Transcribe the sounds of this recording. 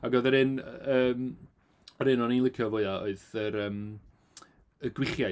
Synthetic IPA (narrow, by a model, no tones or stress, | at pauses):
aɡoðəɾɪnəːm | əɾɨnɔninlˠɪkʰjɔvoɨaoɨðəɾəːm | əɡwɪχja